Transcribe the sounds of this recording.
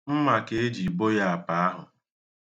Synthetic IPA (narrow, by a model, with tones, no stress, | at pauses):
m̩˦ma˨ke˦e˦d͡ʒi˨bo˦ja˦a˨pa˨˦a˦ɦʊ˨